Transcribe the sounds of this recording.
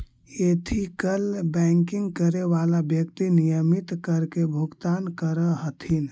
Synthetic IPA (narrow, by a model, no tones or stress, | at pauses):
et̪ʰikəlbɛ̃ŋkiŋɡkəɾeʋalabjəkt̪inijəmit̪kəɾkebʱuɡt̪ankəɾəɦət̪ʰin